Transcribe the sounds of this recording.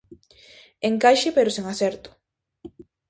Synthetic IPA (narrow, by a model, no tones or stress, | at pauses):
eŋkajʃɪpeɾʊseŋasɛɾt̪ʊ̥